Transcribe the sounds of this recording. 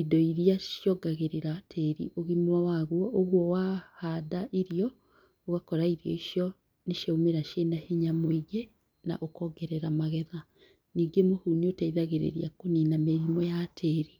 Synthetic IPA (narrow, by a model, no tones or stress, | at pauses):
idɔiɾijaʃjɔɡaɣeɾeɾatʰeɾḭʔoɣimwawaɣwɔʔoɣwɔwahadaʔiɾijɔ | oɣakɔɾaiɾjɔ̰iʃjɔ | neʃeomeɾaʃenaheɲamweɣe | na̰ʔokɔɡɛɾɛɾamaɣɛða | niːŋɡemohuɲiotaiðaɣeɾḛɾiakoninameɾimwɔjatʰeɾi